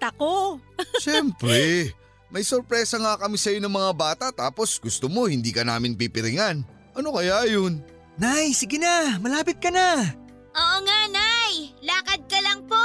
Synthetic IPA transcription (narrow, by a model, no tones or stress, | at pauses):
t̪ɐkoʃɛmpɾɛ | mɐjsoɾpɾɛːsɐŋakɐmisɐjo̞nɐŋmɐŋabaːt̪ɐt̪aːpo̞sɡʊst̪omo̞hɪnd̪iːkɐna̰ːmɪnpipɪɾɪŋan | ʔɐno̞kɐjajon | najsɪɡɪnamɐlaːpɪt̪̚kɐna | ʔoːʔoŋanajlaːkɐd̪̚kɐlɐŋpo